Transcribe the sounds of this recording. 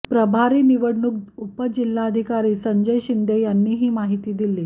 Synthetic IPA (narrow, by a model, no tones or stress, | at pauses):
pɾəbʱaɾiːniʋəɽɳuk̚upəd͡ʑilːaəd̪ʱikaɾiːsəɲd͡ʑəjɕind̪ʱejanːiːɦiːmaɦit̪iːd̪ilːiː